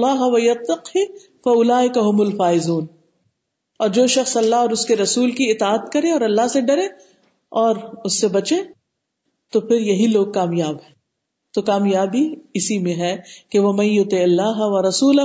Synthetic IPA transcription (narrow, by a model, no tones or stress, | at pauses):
aːɦɐʋɐjɐt̪ːɐqhi | fɐʊlaːɪkɐɦʊmʊlfaːɪzuːn | ɔːɾd͡ʒoːʃɐxsɐlːaɦɔːɾʊskeɾɐsuːlkiɪt̪aːt̪kɐɾẽɔːɾɐlːaɦseɖɐɾẽ | ɔːɾʊsːebɐt͡ʃẽ | t̪opʰɪɾjɐɦiloːɡ̚kaːmjaːbɦɛ̃ː | t̪okaːmjaːbʱiɪsimẽɦɛkeʋɐmɐ̃njʊt̪ɪɪlːaːɦɐʋɐɾɐsuːlɐ